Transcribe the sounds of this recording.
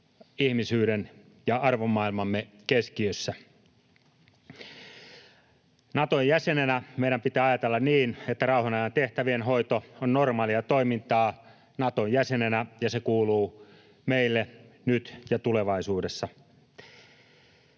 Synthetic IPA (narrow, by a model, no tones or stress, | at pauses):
ihmisyːɾen | jɑɑrʋomːɑilmɑmːe | keskiøsːæ | nɑt̪ojjæsenenæmeiɾæmpit̪æːɑjɑt̪elːɑnniːnet̪ːærɑuhɑnɑjɑnt̪eht̪æʋienɦoit̪oonnormɑːliɑt̪oimint̪ɑː | nɑt̪ojjæsenenæjɑsekuːluː | meilːenyt̪jɑt̪uleʋɑisuːdesːɑ